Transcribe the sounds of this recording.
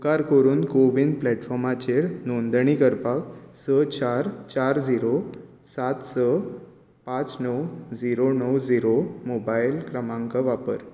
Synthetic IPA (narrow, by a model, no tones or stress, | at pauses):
kaɾkəɾuːnkoʋind̪plɛʈfɔɾmat͡ɕeɽnond̪əɳikəɾpaksət͡ɕaɾt͡ɕaɾd͡ziɾo | sat̪sə | pãt͡snəwd͡ziɾonəwd͡ziɾomobajlkɾəmãŋkaʋapəɾ